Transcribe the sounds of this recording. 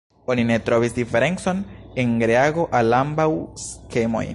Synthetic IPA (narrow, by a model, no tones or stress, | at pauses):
o̞nine̞tɾo̞visdife̞ɾe̞nt͡so̞nenɡɾeaɡo̞ʔalambawske̞mo̞̰j